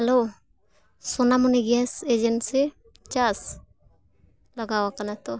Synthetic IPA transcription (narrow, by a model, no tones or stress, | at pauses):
hɛlo | sɔnamuniɡiased͡ʒɛnse | t͡ʃas | lɔɡawakanat̪ɔ